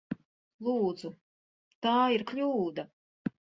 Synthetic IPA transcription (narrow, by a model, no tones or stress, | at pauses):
lˠuːd̪z̥u | t̪aːiɾkʎʲuːd̪a